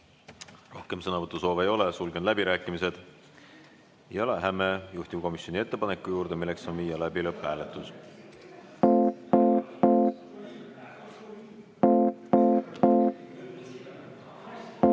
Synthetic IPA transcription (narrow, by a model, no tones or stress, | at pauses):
ro̞hke̞msɤnɑvɤt̪ːˑuso̞ːveːjo̞lesulɡenlæb̥iɾæːkːˑimise̞d̪̥ | jɑleɦæmejuht̪ʲimko̞misjo̞nie̞t̪ˑːe̞pɑnekːˑujuːɾd̪̥e̞milːe̞ksonviːjɑlæbilɤpːˑæːle̞t̪ːˑus